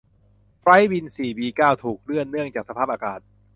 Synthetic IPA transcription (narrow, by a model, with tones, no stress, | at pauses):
pɾa˦˥jbi˧nsiː˨˩biː˧kaː˥˩wt̪ʰuː˨˩k̚ɾɯ˥˩ənːɯ˥˩əŋt͡ɕaː˨˩k̚sa˧pʰaː˥˩p̚aː˧kaː˨˩t̪̚